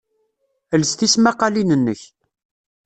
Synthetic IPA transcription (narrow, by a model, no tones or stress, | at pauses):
əlst̪ismaqɑlinənːə̰ç